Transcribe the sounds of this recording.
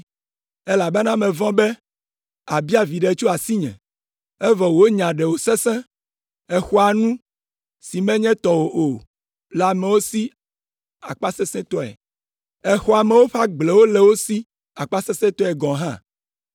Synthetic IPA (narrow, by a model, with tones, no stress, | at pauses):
e˦la˨be˦nã˦mɛ̃˨vɔ̃˦bɛ˦ | a˨bi˦a˨vi˨ɖe˨t͡ʃu˦a˨si˦ɲɛ̰̃˨ | ɛ˦vɔ˨wo˨o˦ɲã˨ɖɛ˨wo˨sɛ˦sɛ̃˦ | ɛ˦xɔ˦a˨nũ˦ | si˨mɛ̃˦ɲɛ̃˦t̪ɔ˨wo˨ʔo˨ | la˨mɛ̃˨wo˦si˦ | a˨k͡pa˦sɛ˦sɛ̃˦t̪ɔ˦ɛ̰˨ | ɛ˦xɔ˦a˨mɛ̃˨˦wo˦ɸa˦ɡ͡ble˨wo˦lɛ˨wo˦si˦ | a˨k͡pa˦sɛ˦sɛ̃˦t̪ɔ˦ɛ˨ɡɔ̃˨ɦã̰˦˨